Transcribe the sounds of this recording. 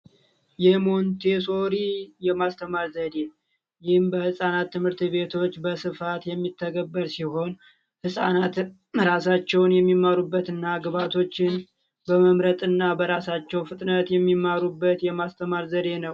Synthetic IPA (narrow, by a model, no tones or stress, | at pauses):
jɛmo̞nt̪ʰe̞so̞ɾijɛmast̪ʰəmaɾzəd̪e | jɪhɨmbəhɨsʼanat̪ːɨmhɨɾt̪βe̞t̪ʰo̞t͡ʃːbəsɨfat̪jɛmːit̪ʰːəɡəbːəɾsiho̞n | hɨsʼanat̪ | ɾasat͡ʃːɛwnjɛmːimːaɾubːət̪ɨnːaɡβat̪ʰo̞t͡ʃːɪn | bəməmɾət̪ʼɨnːabəɾasat͡ʃːɛwfɨt̪ʼnət̪jɛmːimːaɾubːət̪jɛmast̪ʰəmaɾzəd̪e̞nəw